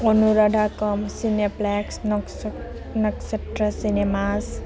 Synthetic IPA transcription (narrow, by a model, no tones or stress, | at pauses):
ɔnuɾadʱakɔmsineplɛksn | nʌkseʈɾasinemas